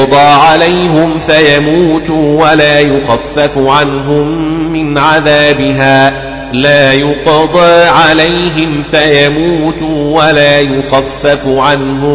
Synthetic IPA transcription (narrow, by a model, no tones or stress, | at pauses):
d̪ˤɑːʕalajɦʊmfajamuːt̪ːwalaːjʊxafːafʕanɦʊmːɪnʕaðaːbɪɦaː | laːjʊqɑd̪ˤɑːʕalajɦɪmfajamuːt̪uwalaːjʊxafːafʕanɦʊ